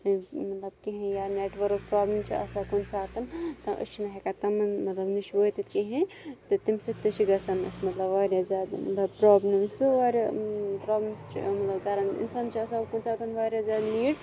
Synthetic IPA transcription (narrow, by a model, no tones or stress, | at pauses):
mɐt̪lɐb̚kiɦẽjaneːʈʋɐɾkpɾaːblimt͡ʃʰiɐ̰sɐkonsaːt̪ɐnt̪ɐʔɨ̰st͡ʃʰinɐɦekat̪ɐmɨnmɐt̪lɐbnit͡ʃʰʋot̪it̪kiɦẽ | t̪ɨt̪imsɨt̪ɨt͡ʃʰiɡɐsɐnɨ̰smɐt̪lɐbʋaɾjazʲaːd̪mɐt̪lɐbpɾoblimsɨʋaɾʲɐpɾablemst͡ʃʰḭmɐt̪lɐbɡaɾɐɳḭnsaːnt͡ʃʰiɐsɐbkonsaːt̪ɐnʋaɾʲjazaːd̪niːɽ